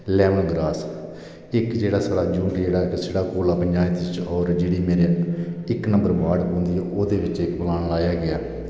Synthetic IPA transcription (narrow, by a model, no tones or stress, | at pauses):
lɛːʋənɡɾaːs | ɪkd͡ʒeːɽaːsəɽaːd͡ʒũːɳʈd͡ʒeːɽaːseːɽaːkoːlaːpəɲd͡ʒaːɪt̪ɪt͡ʃɔːɾd͡ʒeːɽiːmeːɾeɪknə̃mbəɾbaːɖõːnd̪iːɛʔoːd̪eːʋɪt͡ʃɪkbəlaːnlaːjaːɡɪaː